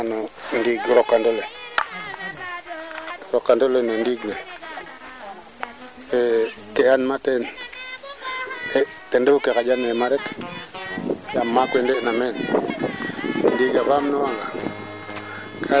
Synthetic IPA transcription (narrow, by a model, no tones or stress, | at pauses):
anɔndiɡɾokːandole | oɾokːandolenondiɡne | e | keanmaten | e | tendefukekad͡ʒanemaɾek | jamːakwendenamen | ndiɡaβamnowaŋɡa | kʰa